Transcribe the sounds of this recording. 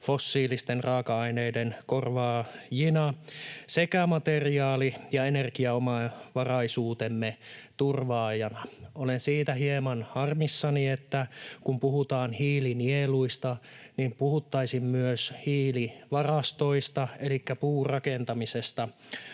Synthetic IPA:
fosːiːlist̪enrɑːkɑɑineidenkorʋɑːjinɑsekæmɑt̪eriɑːlijɑenerkiɑomɑʋɑrɑisuːt̪emːet̪urʋɑːjɑnɑolensiːt̪æɦiemɑnhɑrmisːɑniet̪ːækumpuhut̪ɑːnhiːlinieluist̪ɑnimpuhut̪ːɑisimmyøshiːliʋɑrɑst̪o̞ist̪ɑelikːæpuːrɑkent̪ɑmisest̪ɑ

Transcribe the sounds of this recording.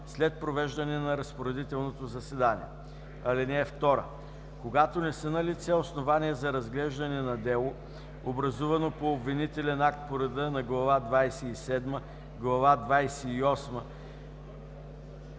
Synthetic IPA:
slɛt̪̚pɾovɛʒd̪ɐnɛnɐɾɐspoɾɛd̪it̪ɛlˠnot̪ozɐsɛd̪anʲḭɛ̰ | ɐlinɛːft̪ɔɾə̰ | koɡat̪onɛsɛnɐlit̪sɛosnovaniɛzɐɾɐzɡlɛʒd̪ɐnɛnɐd̪ɛlˠo | obɾɐzuvɐnopoːbvinit̪ɛlɛnak̚t̪̚poɾɐd̪ənɐɡlˠɐvad̪vajsɛisɛd̪mə | ɡlˠɐvad̪vajsɛiɔsmə

